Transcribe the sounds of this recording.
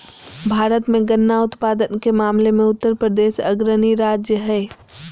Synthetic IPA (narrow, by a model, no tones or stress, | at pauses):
bʱaːɾət̪mẽɡənːaʊt̪paːd̪ənkemaːmlemẽʊt̪ːəɾpɾəd̪eːʃɐ̰ɡɾəniɾaːd͡ʒjəɦɛː